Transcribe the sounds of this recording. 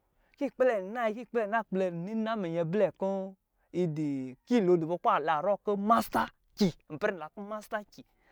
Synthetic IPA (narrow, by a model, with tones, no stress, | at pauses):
ki˦˨k͡ple˨na˦i˧ki˦˨k͡ple˦˨na˦k͡ple˧˨ni˦na˦me˨ɲe˧blɛ˨ko˦ | i˧di˨ki˦˨lo˨˧du˨bo˧˦k͡pa˦˨la˨ɾo˦˨ko˦ma˦sta˦ | kʲi˨m̩˨pɾi˦n̩˨la˨ko˦ma˦sta˦ki˨